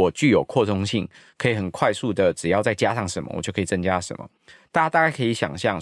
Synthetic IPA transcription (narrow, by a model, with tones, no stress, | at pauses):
ɔ˨˩t͡ɕy˥˨˩jo˨˩ʊkʰwɔ˥˧tʰʊ˥ŋɕi˥˩ŋ | kʰɤ˧˥i˨˩xə˨˩nkʰwa˥˧ɪsu˥˩d̪ə˩ʈ͡ʂɻ̩˨˩jɑ˥˧ʊt͡sa˥˩ɪt͡ɕja˦ʂɑ˥˩ŋʂə˨˦nmə̰˦wjo˥˩ʊkʰɤ˧i˨˩t͡sə˧˥ŋt͡ɕja˥ʂə̰˨˦nmə̰˦ | t̪a˥˩t͡ɕa˥t̪a˥˧ka˥˩ɪkʰə˧˥i˧˥ɕjɑ̰˨˩ŋɕjɑ˥˨ŋ